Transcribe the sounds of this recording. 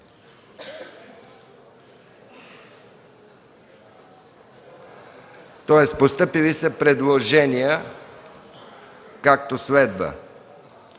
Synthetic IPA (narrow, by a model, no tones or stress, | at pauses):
t̪ɔɛst̪post̪ɤpilisɛpɾɛd̪lˠoʒɛnijə | kak̚t̪osvɛd̪bə̰